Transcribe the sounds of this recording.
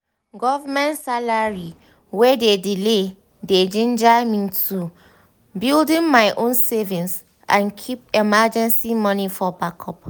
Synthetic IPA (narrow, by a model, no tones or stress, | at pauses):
ɡɔvamɛ̃ntsalaɹi | wɛdedile | ded͡ʒĩnd͡ʒajmitʰu | bildĩnmaɪʔõnsevĩns | ʔãnkʰip̚ɛmad͡ʒɛ̃nsimɔnifɔbakʰɔp̚